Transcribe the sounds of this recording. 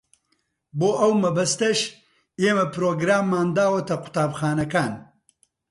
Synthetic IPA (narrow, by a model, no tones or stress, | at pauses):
boːʔɐwmɐbɐst̪ɐʃ | eːmɐpɾoːɡɾaːmːaːnd̪aːwɐt̪ɐqʊ̥t̪aːbxaːnɐkaːn